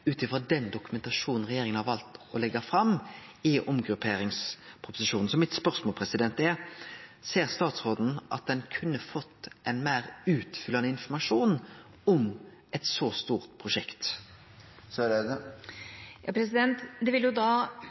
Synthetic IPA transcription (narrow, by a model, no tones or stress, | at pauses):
ʉːt̪ɪfʁɔd̪ɛnd̪ʊkʉmɛnt̪ɑʂuːnn̩ʁɛjeːɾɪŋənhɑʁʋɑlt̪ɔlɛɡɑfɾɑmɪʔʊmɡɾʉpʰeːɾɪŋspʰɾʊpʊ̥sɪʂuːnn̩sɔmɪt̪spœʁsmoːlpʰʁɛsɪd̪ɛnt̪ɛ | seːʁst̪ɑːt̪sʁoːd̪n̩ʔɑ̰t̪̚d̪ɛnkʰʉnːəfɔt̪ːɛnmæːɾʉːt̪fʏlːɑnəɪnfɔɾmɑʂuːn | ɔm | ɛt̪sɔst̪uːʁt̪̚pʰʁʊʂɛkt̪ | søɾɛd̪ | jɑːpʰɾɛsɪd̪ɛnt̪d̪ɛʋɪljʊd̪ɑː